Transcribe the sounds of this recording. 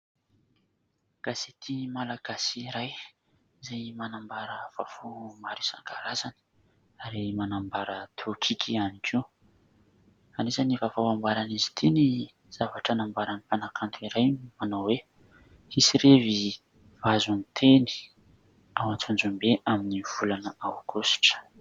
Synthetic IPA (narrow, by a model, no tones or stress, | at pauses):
ɡ̥asit̪ʰimalaɡ̥asiɾaj | izajmanambaɾəv̥afumaɾisa̰ŋɡaɾazani̥ | aɾimanambaɾət̪ʰukʰikʰʲianikʰiw | anizanifavawambaɾanizi̥t̪ʰini | z̥avaʈ͡ʂənambaɾanipanakʰant̪ʰuiɾajmanawwe | isiɾevi | vazunit̪ʰeni̥ | awat̪ʰund͡zumbeʔaminiv̥ulanəawɡosi̥ʈ͡ʂə̥